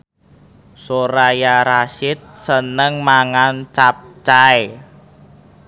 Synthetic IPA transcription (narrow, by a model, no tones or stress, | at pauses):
soɾajaɾaʃɪt̪̚sənəŋmaŋant͡ʃap̚t͡ʃae